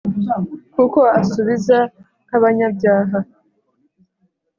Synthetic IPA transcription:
kuko̞asuβiza | kaβaɲabɟaːɦa

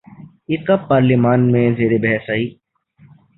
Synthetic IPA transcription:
ɪkapːaːɾlimaːnmẽzeːɾebɛɦɛsaɦiː

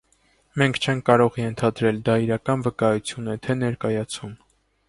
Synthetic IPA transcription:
mɛŋkʰt͡ʃʰɛŋkʰːɑɾɔʁjɛnt̪ʰɑd̪ɾɛld̪ɑiɾɑkɑnvəkɑjut͡sʰjunɛt̪ʰɛnɛɾkɑjɑt͡sʰum

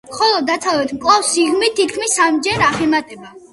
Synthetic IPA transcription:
mχɔlˠɔd̪ːat̪sʰavɛt̪ʰmkʼlˠafsiɡmit̪ʰːit̪̚kʰmisːamd͡ʒɛɾaχɛmat̪ʼɛba

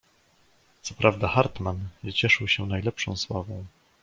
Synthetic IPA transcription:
t̪sɔpɾavd̪axaɾt̪manvɘt͡ɕɛʂɘwɕɛnajlɛpʂɔ̰̃w̃swavɔ̃w̃

